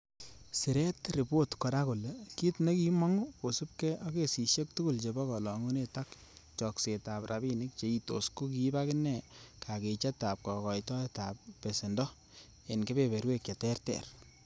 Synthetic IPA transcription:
sɪ˨ɾɛ˦tri˨po˦tkɔ˨ɾa˦ko˨le˨ki˦tne˦ki˦mɔ˦ŋu˦ko˨su˦p̚kɛ˦ʔɔ˦ke˨si˨ʃe˦k̚tu˦ku˦˨lt͡ʃe˨bɔ˦kɔ˨lɔ˨ŋu˦ne˦ta˦k | t͡ʃɔ˨kse˨ta˨prʔa˨bi˦nɪ˦k̚t͡ʃe˨˦i˦to̰˨sku˦ki˦ba˦kɪnɛ˨kʰa˨ke˨t͡ʃa˦ta˨p̚kɔ˨kɔ˨jtɔ˦e˦ta˨pːe˨se˨ndɔ˦ | e˨nke˦bepe˨ɾwe˦kja˨tɛ˦rtɛ̰˨r

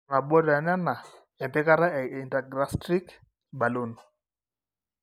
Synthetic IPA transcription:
na˨ɓɔ˦ɾɛ˨nɛ˦na˨ | ɛ˨mpɛ˦ka˦ɾa˦ɛ˨i˨nda˨ɡɾa˦stɾi˦k | ba˨lu˦˨nu˨

